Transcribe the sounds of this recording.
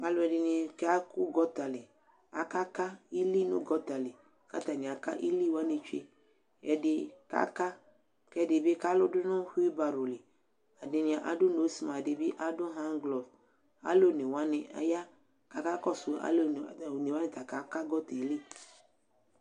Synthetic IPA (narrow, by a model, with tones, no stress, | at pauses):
a˨lo˦ɛ˨dɪ˨nẽ˨ke˦a˦ku˦ɡɔ˦t̪a˨le˨ | a˨ka˦ka˦i˦li˦nṵ̃˦ɡɔ˦t̪a˨le˨ | ka̰˦t̪a˨nĩ˨a˨ka̰˦ʔi˦li˦˨wa˦ne˨t͡ʃḛ˦ | ɛ˨de˨ka̰˦ka˦ | kɛ˦de˨be˦ka˦lo˦dʊ˦nɔ̃˦ɸu˦i˦ba˨ɾo˨li˨ | a˨de˨nĩ˨a˨ʔa˨do˦no˨˦si˦mã˨de˨bi˦ʔa˦do˦ɦã˦ŋɡlɔ˨v | a̰˦lo˦ne˨wa˦nẽ˨a̰˨˦ja˦ | ka˨ka˦kɔ˦sʊ˨a̰˦lo˦˨ne˨wa˦nẽ˨t̪a˨ka˨ka˦ɡɔ˦t̪e˨li˦